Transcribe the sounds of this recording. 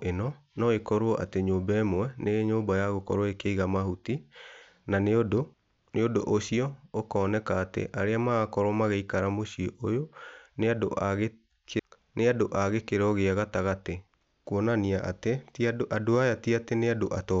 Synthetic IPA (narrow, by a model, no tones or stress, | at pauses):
enɔ | nɔekɔɾoɔʔateɲoːbɛmwɛnʔeɲoːmbajaɣokɔɾɔekeiɣamahuti | nando | neodoʔoɕiɔokɔːnɛkaːtḛʔaɾeamaɣakɔɾɔmaɣeikaɾamoɕioʔojoneado̰ʔaɣe | neadoʔaɣekeɾɔɣeaɣataɣate | kuɔnaniaʔateadoajatiateneadoʔatɔ